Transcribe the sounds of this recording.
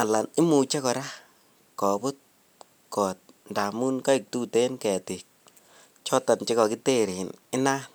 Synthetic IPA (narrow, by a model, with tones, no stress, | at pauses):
a˨la˨nɪ˦mu˨t͡ʃɛ˦kɔ˨ɾa˦ | kɔ˨bʊ˦t̚ | kɔ˨t̚nda˨mu˦nka˦i˨k̚tu˦te˦nkɛ˨tɪ˨k̚ | t͡ʃɔ˦ta˨nt͡ʃe˦kɔ˨ki˦te˦ɾi˨nɪ˦na˦